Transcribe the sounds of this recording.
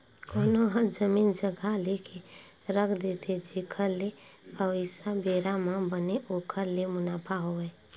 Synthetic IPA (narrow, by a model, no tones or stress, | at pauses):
koːnoɦãd͡ʒəmiːnd͡ʒəɡʱaleke | ɾəkʰd̪et̪ʰed͡ʒikʰəɾleəisabeːɾamãbəneʔokʰəɾlemʊnaːpʰaɦoɛ